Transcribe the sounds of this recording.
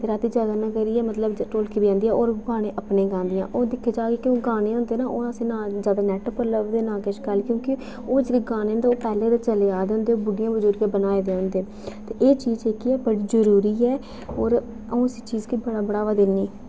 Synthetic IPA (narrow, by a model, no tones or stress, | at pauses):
t̪eːɾaːt̪iːd͡ʒaːd̪aːnãːkəɾiːɛːmət̪ləbʈoːlkiːbiːãːnd̪iːɛːoːɾɡãːɽẽːʔəpnẽːɡãːnd̪ɪjã̰ːʔoːd̪ɪkʰːeːd͡ʒaːɡeːkɪoːɡaːñeːɦʊ̃nd̪eːnaːʔoːəsẽːnaːzaːd̪aːnɛːʈopəɾləbd̪eːnaːɡeːʃkəlkjõːkɪ | oːd͡ʒdeːɡaːnẽːnd̪eoːpɛːleːɾat͡ʃəleːaːd̪eɦʊ̃nd̪eːoːbʊɖɪjãːbəzʊɾɡeːbənaːed̪eːɦʊ̃nd̪eː | t̪eːʔeːt͡ʃiːd͡ʒekiːɛːbəɽiːzəɾuːɾiːɛː | oːɾ | ə̃ːɪsiːt͡ʃiːzkibəɽaːbəɽaːʋad̪ɪlniː